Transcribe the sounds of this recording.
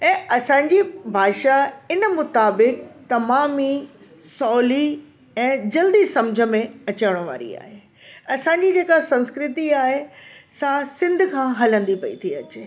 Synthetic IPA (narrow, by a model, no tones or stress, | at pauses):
ɛ̃ːʔɐsãːɲ̆d͡ʑibʱaːʃaɪnəmʊt̪aːbɪkt̪ɐmaːmi | sɔːli | ɛ̃ːd͡ʑɐld̪isɐ̃md͡ʑʱə̆mẽɐt͡ɕəʋɽ̃ʋa̰ːɾḭa̰ːɦe | ɐsãːɲd͡ʑid͡ʑeːkasɐ̃nskɾɪt̪iaːɦesasɪ̃nd̪ʱkʰãɦɐlə̃nd̪ipɐḭt̪ʰiɐt͡ɕe